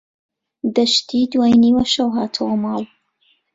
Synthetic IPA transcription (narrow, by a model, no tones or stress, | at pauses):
d̪ɐʃt̪id̪waːjniwɐʃɐwɦaːt̪ʰɐwɐmɑːl